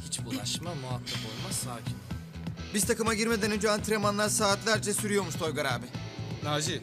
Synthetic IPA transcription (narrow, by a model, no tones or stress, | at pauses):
hit͡ʃbulˠaʃmamuat̪ʰːapo̞lˠmassaːcʰin | bizt̪ʰakɯmaɟiɾme̞d̪ænyd͡ʒyant̪ʰiɾemanlˠaɾsaːt̪lʲæɾd͡ʒɛsyɾyjo̞ɾmuʃt̪ʰo̞jɡaɾaːbɪnaːd͡ʒif